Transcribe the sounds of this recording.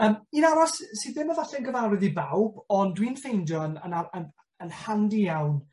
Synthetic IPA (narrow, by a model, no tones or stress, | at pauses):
əːminaɾɔssiððɪməvaɬɛnɡəvawɾɛðibawb̥ɔndwinfejndjɔnənaən | ənhandijawn